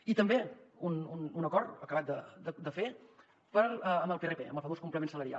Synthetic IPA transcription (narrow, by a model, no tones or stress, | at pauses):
it̪əmbeunununəkɔɾt̪əkəβat̪̚d̪əd̪əd̪əfe | pəɾəməlˠperepḛə̰mbəlˠfəβoskumpləmensələɾia̰